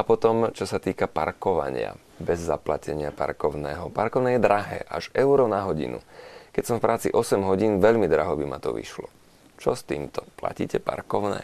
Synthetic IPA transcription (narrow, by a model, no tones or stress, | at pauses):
apɔt̪ɔmt͡ʃɔsat̪iːkapa̰ɾkɔʋa̰ɲɪa̰ | bɛzːaplacɛɲɪapa̰ɾkɔʊnɛːɦɔpaɾkɔʊnɛːjɛd̪ɾaɦɛ̰ːʔaʒɛʊɾɔnaɦɔɟḭnṵkɛcsɔmfpɾʔaːt͡sḭʔɔsɛmɦɔɟiːnʋɛʎmid̪ɾaɦɔbima̰t̪ɔ̰ʋḭʃlɔ | t͡ʃɔst̪iːmt̪ɔpla̰ciːcɛpa̰ɾkɔʊnɛ̰ː